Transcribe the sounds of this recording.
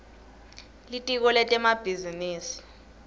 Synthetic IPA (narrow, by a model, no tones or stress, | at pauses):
litʼik̬ɔlɛtʼɛmab̥ʱiziniːsi̥